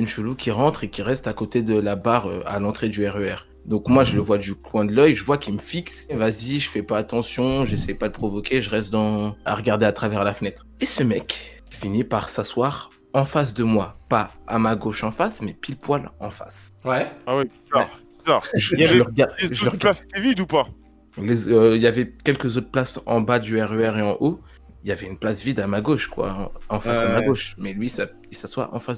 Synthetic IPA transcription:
ynʃəlukʲiʁɑ̃t̪χekʲiʁɛst̪akot̪ed̪əlabaʁø̰a̰lɑ̃t̪χed̪yɛʁøɛʁ | d̪ɔ̃kmwaʒələvwad̪ykwɛ̃d̪əlœjʒəvwakʲiməfiksvaziʒəfɛpaːt̪ɑ̃sjɔ̃ʒesɛjpad̪əpχɔvɔkʲeʒəʁɛst̪̚d̪ɑ̃a̰ʁəɡaʁd̪eat̪χavɛʁlafənɛt̪χesəmɛk | finipaʁsaswaʁ | ɑ̃fas̬d̪əmwapaamaɡoʃɑ̃fasmɛpilpwalɑ̃fa̰swɛawib̥izaʁb̥izaʁʒaəʁɡaʒəəʁɡlase̥t̪ɛvid̪upa | lezøiljavɛkʲɛlkəzot̪χplasɑ̃bad̪yɛʁøɛʁeɑ̃ʔo | ilavɛynplasvid̪amaɡoʃkwã̰ɑ̃fasd̪əmaɡoʃmɛlɥisa | isaswa̰ɑ̰̃fas

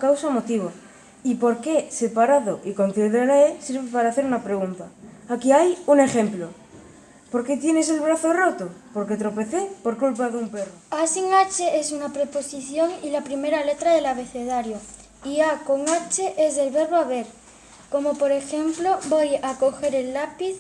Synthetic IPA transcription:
kawsamo̞t̪iβ̞o | ipo̞ɾke̞se̞paɾaðoʔiko̞n̟θiðeɾaesiɾβepaɾaːθeɾunapɾe̞ɣ̞unt̪aːkiajuŋe̞xe̞mplo | po̞ɾke̞t̪je̞ne̞s̬e̞lβɾaθorot̪opo̞ɾke̞t̪ɾo̞pe̞θepo̞ɾkulpaðeumperoasiŋat͡ʃeʔesunapɾepo̞siθjo̞ŋilapɾime̞ɾale̞t̪ɾaðe̞laβe̞θe̞ðaɾjo | iako̞ŋat͡ʃeʔezðe̞lβe̞ɾβoaβeɾ | ko̞mopo̞ɾe̞xe̞mplo̞bojako̞xe̞ɾe̞lːapiθ

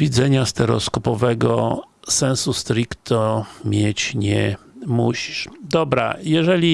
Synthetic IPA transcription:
vʲid̪zɛɲast̪ɛɾɔ̰skɔpɔvɛɡɔ | sɛnsust̪ɾʲikt̪ɔmʲjet͡ɕɲɛ | muɕiʂd̪ɔbɾa̰jɛʐɛlʲi

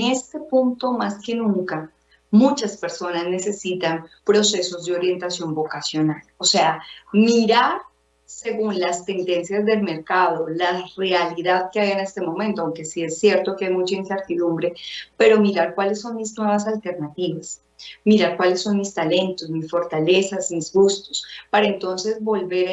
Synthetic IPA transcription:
est̪e̞punt̪o̞maske̞nũŋka | mut͡ʃaspe̞ɾso̞nazne̞se̞sit̪anpɾo̞se̞so̞zd̪eo̞ɾje̞nt̪asjo̞mbo̞kasjo̞nalo̞se̞amiɾaɾ | se̞ɣunlast̪e̞nd̪e̞nsjazd̪e̞lme̞ɾkaðo̞lare̞aliðaðkeaβiene̞st̪emõ̞mẽ̞nt̪oawŋke̞sie̞sːje̞ɾt̪o̞keajmut͡ʃainse̞ɾt̪iðumbɾe̞pe̞ɾo̞miɾaɾkwale̞sːo̞nmiznwe̞βasalt̪e̞ɾnat̪iβas | miɾaɾkwalesːo̞nmist̪ale̞nt̪o̞smisfo̞ɾt̪ale̞sasmizɡust̪ospaɾaent̪o̞nse̞zbo̞lbe̞ɾ

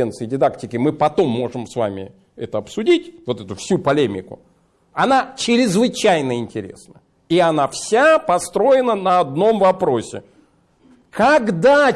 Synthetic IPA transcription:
ent̪sɨɪdʲɪd̪aktʲɪkʲɪmɨpɐt̪o̞mːo̞ʐɨmsva̰mʲɪ̰ | ɛt̪əɐpsʊdʲitʲvo̞t̪ɛt̪ʊfsʲupɐlʲemʲɪ̰kʊ̰ | ɐnat͡ɕɪɾʲɪzvɨt͡ɕæjnəɪnʲtʲɪɾʲḛsnə | iɐnafsʲapɐst̪ɾo̞ɪnənəɐd̪no̞mvɐpɾo̞sʲɪ̰ | kɐɡd̪a

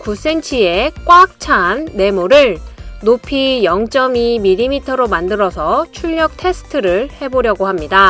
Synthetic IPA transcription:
kus͈e̞nt͡ɕʰiek͈wak̚t͡ɕʰanːe̞muɾɯɭnopʰijʌŋt͡ɕ͈ʌmimiʎimitʰʌɾomandɯɾʌsʰʌt͡ɕʰuʎːʌk̚tʰe̞sʰɯ̥tʰɯɾɯɭhe̞boɾjʌɡohamɲida

